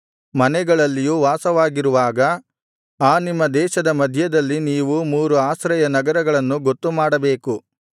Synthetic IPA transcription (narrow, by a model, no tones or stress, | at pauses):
mɐnɛɡɐɭɐlːijuʋaːsɐʋaːɡiɾuʋaːɡɐ | aːnimːɐd̪ɛːʃɐd̪ɐmɐd̪ʱjɐd̪ɐlːiniːʋumuːɾuaːsɾɐjɐnɐɡɐɾɐɡɐɭɐnːuɡo̞t̪ːumaːɽɐbe̞ːku